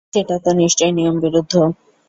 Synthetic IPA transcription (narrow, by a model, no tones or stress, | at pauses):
eʈat̪oniʃt͡ɕojnijombiɾud̪ʱːo